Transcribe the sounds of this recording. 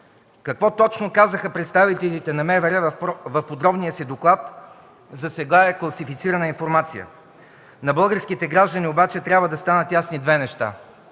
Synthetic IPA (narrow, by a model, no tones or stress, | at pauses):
kɐkvɔt̪ɔt͡ʃnokazəxəpɾɛt̪st̪avit̪ɛlʲit̪ɛnɐmɛvɛɾɛvvɐfpod̪ɾɔbniəsid̪oklˠat̪ | zɐsɛɡaɛklˠɐsifit̪siɾənəinfoɾmat̪sijə̰ | nɐbɤlˠɡəɾskit̪ɛɡɾaʒd̪əniobat͡ʃɛt̪ɾʲabvəd̪ɐst̪anət̪jasnid̪vɛnɛʃt̪a̰